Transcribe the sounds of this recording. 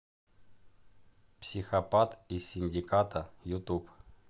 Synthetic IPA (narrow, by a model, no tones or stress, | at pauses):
psʲɪxɐpat̪isʲːɪnʲdʲɪkat̪əjʊt̪up